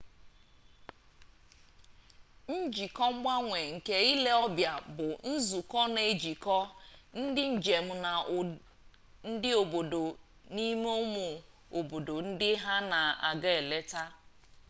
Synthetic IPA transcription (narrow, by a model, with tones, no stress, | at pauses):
n̩˦d͡ʒi˨kɔ˦ŋ͡m̩˦ɡ͡ba˦ŋʷe˨ŋ̩˨ke˦i˦le˦ɔ˦bja˨bʊ˨n̩˦zu˨kɔ˦ne˨d͡ʒi˨kɔ˦n̩˦dɪ˦n̩˨d͡ʒe˨m̩˦na˨ | n̩˦dɪ˦o˨bo˨do˨ | ni˦me˦o˦mu˨ | o˨bo˨do˨n̩˦dɪ˦ɦa˦na˨a˨ɡa˦e˨le˦ta˦